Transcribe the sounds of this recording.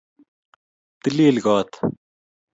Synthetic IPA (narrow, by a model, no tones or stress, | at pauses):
t̪ɪliːlɡɔːt̪